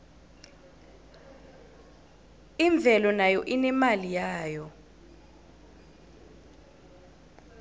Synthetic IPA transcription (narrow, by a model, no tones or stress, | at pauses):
iɱb̪vʱɛlɔnajɔʔinɛmalijaːjɔ